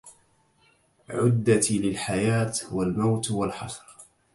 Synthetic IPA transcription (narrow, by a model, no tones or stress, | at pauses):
ʕʊd̪ːat̪lɪlħajaːt̪walmawt̪walħɑsˤɾ